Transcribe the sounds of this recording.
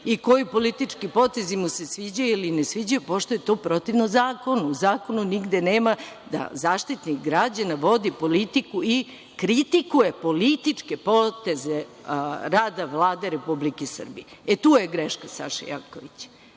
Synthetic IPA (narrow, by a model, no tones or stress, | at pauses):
iko̞jipo̞lit̪it͡ʂkipo̞t̪e̞zimuse̞sʋid͡ʑajuilinesʋid͡ʑajupo̞ʃt̪o̞jet̪o̞ːpɾo̞t̪iʋnozaːko̞nuuzaːko̞nuniɡd̪eneːma | d̪a̰zaːʃt̪it̪nikɡɾad͡ʑanaʋo̞d̪ipo̞lit̪ikui | kɾit̪ikujepo̞lit̪it͡ʂke̞pot̪e̞zeɾaːd̪aʋlˠaːd̪eɾepublikesr̩bijeet̪uːjeɡɾeʃkasa̰ʃa̰ja̰koʋit͡ɕ